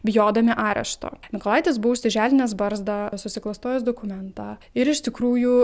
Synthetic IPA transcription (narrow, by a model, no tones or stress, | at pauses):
bʲɪjoːd̪ɐmʲɪʔɑːɾʲɛ̰ʃt̪o̰ːmʲɪkolˠɑˑɪt̪ʲes̬buʊsʲt̪ʲɪʒʲæːlʲɪnʲɛsbɐɾzd̪ɑːsʊsʲɪklˠɐst̪oːjʲɛsd̪oːkʊmʲɛnt̪ɑːɪɾɪʃt̪ʲɪkɾuːjuː